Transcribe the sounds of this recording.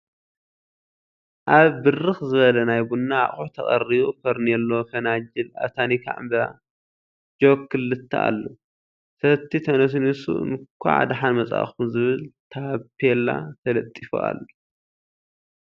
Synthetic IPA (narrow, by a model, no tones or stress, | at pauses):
ʔaβːɨrɨxzɨβɐlɐnajbunːaa̰χʼuħt̪ʰɐχʼɐriβufɐɾnelːofɐnad͡ʒila̰βt̪ʰanikʰa̰ʕɨ̰mbɾa̰ | d͡ʒokʰːɨlːɨt̪ʰːaʔa̰lːo | sɐt̪ʰːit̪ʰɐnɐs̬nɨsṵɨ̰nkʷʰːa̰ʕa̰d̪aħanmɐt͡sʼa̰xumzɨβɨlt̪ʰapʰela̰t̪ʰɐlɐt̪ʼːifo̰a̰lːo